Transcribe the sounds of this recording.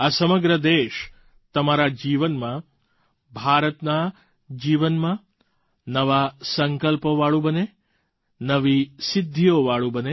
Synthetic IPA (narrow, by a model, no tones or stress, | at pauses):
asəməɡɾəd̪eːʃ | t̪əmaɾad͡ʒiʋənmã | bʱaːɾət̪na | d͡ʒiːʋənmã | nəʋasəŋkəlpəʋaɭubəne | nəʋisɪd̪ʱːijoʋaɭubəne